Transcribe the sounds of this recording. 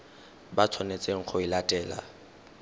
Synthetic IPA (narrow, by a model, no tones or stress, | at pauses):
bat͡sʰɔnet͡sʼeŋ̩χʰɔilatʼɛːla̰